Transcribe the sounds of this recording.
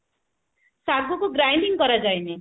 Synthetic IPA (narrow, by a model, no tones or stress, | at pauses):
saɡɔkoɡɾajɳɖiŋkʌɾad͡ʒajne